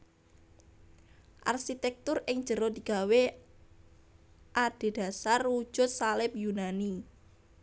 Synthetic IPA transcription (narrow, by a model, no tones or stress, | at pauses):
ʔa̰rʃit̪ɛk̚t̪ʊrɪŋd̥ʒ̥ə̤ɾod̪̥i̤ɡ̥a̤we | ʔad̥e̤d̥a̤saru̥ʒ̥ʊ̤t̪̚salɪp̚junani